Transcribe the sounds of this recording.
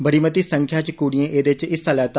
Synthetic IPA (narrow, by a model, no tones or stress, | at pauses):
bəɽimət̪iːsəŋkʰjaːt͡ʃkuːɽijẽːʔeːd̪et͡ʃɪsəlɛːt̪ː